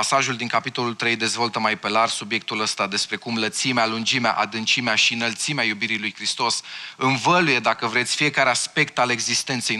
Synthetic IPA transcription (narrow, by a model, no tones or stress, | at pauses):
saʒuld̪iŋkapit̪o̞lult̪ɾe̞jd̪e̞zvo̞lt̪əmajpe̞larsubje̞k̚t̪uləst̪ad̪e̞spɾe̞kumlət̪simealund͡ʒimea̰ʔad̪ɨnt͡ʃimeaʃiɨnəlt̪simeajubiɾilujkɾist̪o̞sɨnvəluje̞d̪akəvɾe̞t̪sʲfije̞kaɾe̞aspe̞kt̪ale̞ɡzist̪e̞nt̪se̞j